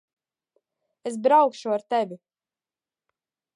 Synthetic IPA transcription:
es̬bɾawkʃuaɾt̪ɛvi

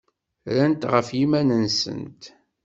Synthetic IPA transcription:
ɾænt̪ʁəfjimænənsə̰nt̪

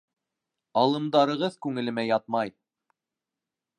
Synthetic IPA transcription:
ɑlˠɤ̆md̪ɑɾɤ̆ʁɤðkʉŋɘ̆lɘ̆mæjɑt̪̚mɑj

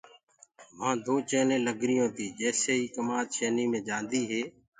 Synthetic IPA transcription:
mãːd̪oːt͡ʃeːnẽːləɡɾɪjõːt̪iːd͡ʒɛːseːɦiːkəmaːd̪ʃeːniːmẽːd͡ʒãːnd̪iːɦeː

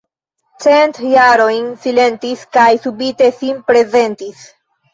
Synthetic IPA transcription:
t͡se̞ntjaɾo̞jnsile̞ntiskajsubite̞sinpɾe̞ze̞ntis

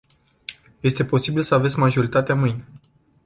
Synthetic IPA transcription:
je̞st̪e̞po̞sibilsəave̞t̪sʲmaʒo̞ɾit̪at̪eamɨjn

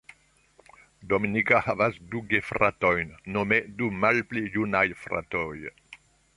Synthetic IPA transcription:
d̪ominikahavazd̪uɡefɾat̪ɔjnnomed̪umalplijunajfɾa̰t̪ɔj

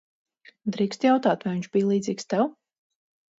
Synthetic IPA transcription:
d̪ɾiːkst̪jawt̪aːt̪vajviɲt͡ʃb̥ijlˠiːd̪ziːkst̪ɛw

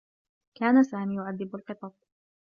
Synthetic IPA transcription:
kaːnasaːmiːjʊʕaðːɪbalqɨt̪ˤɑb̚

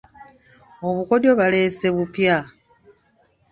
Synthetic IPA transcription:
o̞βuko̞do̞βale̞ːse̞βupja

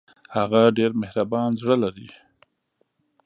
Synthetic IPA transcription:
haɣaɖeɾmehɾabɑnzɽəlaɾi

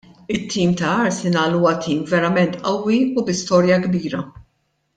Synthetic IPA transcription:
ɪt̪ʰːiːmt̪ɐɐɾsɪnɐːluːwɐt̪iːmvɛɾɐmɛnt̪ʔɐwːiubɪst̪ɔːɾjɐɡbiːɾɐ

